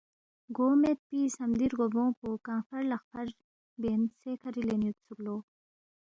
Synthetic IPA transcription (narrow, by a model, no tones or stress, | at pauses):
ɡoːmet̪̚pisɐmd̪iɾɡobõːpokãŋfɐɾlɐxpʰɐɾ | bensekʰɐɾilenjut̪sʰuɾlo